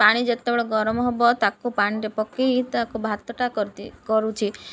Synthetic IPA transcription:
paɽ̃id͡ʒet̪ːebɭɔɡɔɾɔmɔɦɔbɔt̪akupaɽ̃iɾepɔkːeit̪akubʱat̪ːɔʈakɔɾt̪ikɔɾut͡ʃʰi

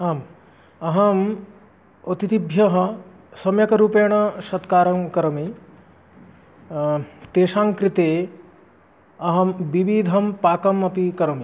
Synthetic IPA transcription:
aːm | ɐɦɐm | ot̪it̪ibʱjɐɦɐ | sɐmjɐkɐɾuːpeːɳ̃ɐʃɐt̪kaːɾɐmkɐɾɐmi | t̪eːʃaːŋkɾit̪eː | ɐɦɐmbiʋiːd̪ʱɐmpaːkɐmɐpikɐɾɐmi

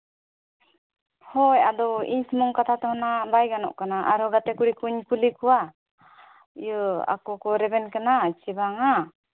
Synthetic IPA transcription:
hɔjad̪ɔḭɲsmɔŋkat̪ʰat̪ɔɦɔnabajɡanɔ̰ʔkanaʔaɾɔɡat̪ɛkuɽikuɲkulikuwa | ijəa̰kɔkɔɾɛbɛnkanat͡ʃibaŋa

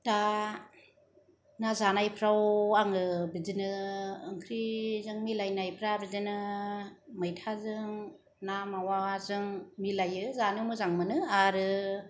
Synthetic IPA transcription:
ta | nazanajpʰɾawaŋɯbizinɯɯŋkʰɾizɯŋmilajnajpʰɾabizinɯ | mɯjtʰazɯŋ | namawazɯŋmilajɯzanɯmɯzaŋmɯnɯaɾɯ

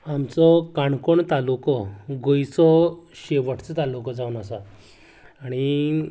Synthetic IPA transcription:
amt͡sɔkaɳkoɳt̪alukɔɡojsɔɕeʋəʈʰt͡sət̪alukɔd͡zaunasa | aɽ̃i

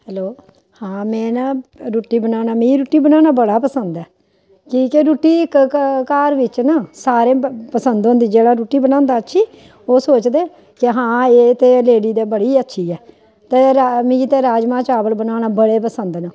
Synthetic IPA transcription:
hɛːloː | hãːmɛ̃ːnaːɾuːʈːiːbənaːnaːmĩːɾuːʈːiːbənãːnaːbəɽaːpəsənd̪ɛː | kiːkeɾuːʈːiːɪkkaːɾʋɪt͡ʃnaːsaːɾeːpəsənd̪ɦʊ̃nd̪iːd͡ʒeːɽaːɾuːʈːiːbənaːnd̪aːətːʃʰiː | oːsoːt͡ʃd̪eː | kɪɦãːeːt̪eːleːɽiːd̪eːbəɽiːətːʃʰiːɛː | t̪eːɾmĩːt̪eːɾaːd͡ʒmãːt͡ʃaːbəlbənaːnaːbəɽeːpəsənd̪nãː

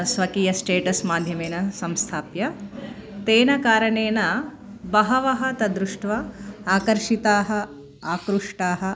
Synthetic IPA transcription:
sʋɐkiːjɐsʈeːʈɐsmaːd̪ʱjɐmeːnɐsɐmst̪ʰaːpjɐ | t̪eːnɐkaːɾɐɳeːnɐ | bɐɦɐʋɐɦɐ̆t̪ɐd̪ɾuʂʈʋɐaːkɐɾʂit̪aːɦɐ̆ | aːkɾuʂʈaːɦɐ̆

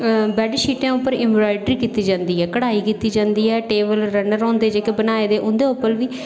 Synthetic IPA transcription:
bɛːɖʃiːʈãːʊpːəɾɪmʋɾaːɪɖɾiːkiːt̪iːd͡ʒãːnd̪iːɦɛːkəɽaːiːkiːt̪iːd͡ʒãːnd̪iːɛːʈeːbəlɾənəɾɔ̃ːnd̪eːd͡ʒeːkebənaːeːd̪eːʔʊnd̪eːʊpːəlʋiː

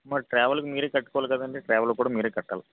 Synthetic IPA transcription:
maːʈɾaːʋɐlkːɯmiːɾeːkɐʈːɯ̥kːoʋɐlkːɐðɐnɖiʈɾaːʋɐlkːuːɽɐmiːɾeːkɐʈːa̰ːl

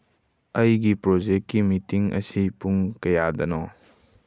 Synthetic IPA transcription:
ɐjɡipɾɔd͡ʒekːimitiŋʔɐ̰sipuŋkɐjadɐnɔ

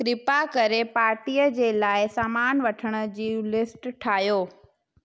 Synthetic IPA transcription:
kɾɪpakɐɾepaːɾʈijəd͡ʑeːlaːɪsaːmaːnʋɐʈʰəɽ̃ə̆d͡ʑiːlɪsʈʈʰaːɦijoː

